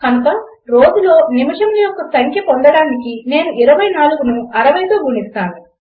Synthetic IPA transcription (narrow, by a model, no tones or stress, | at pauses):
kɐnukɐ | ɾo̞ːd͡ʒulo̞ːnimɐʂɐmlijɔkːɐsɐŋkʰjɐpɔnd̪ɐɽaːnikine̞ːnuʔiɾɐʋɐjnaːluɡunuɐɾɐʋɐjt̪o̞ːɡuɳist̪aːnu